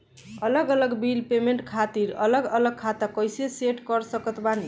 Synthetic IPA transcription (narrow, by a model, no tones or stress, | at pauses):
ələɡələɡbilpemeɳʈkʰat̪iɾələɡələɡ̚kʰat̪akəjseseʈkəɾsəkət̪bane